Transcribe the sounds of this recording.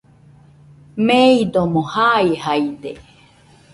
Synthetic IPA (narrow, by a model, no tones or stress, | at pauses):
meid̪omohaihaid̪e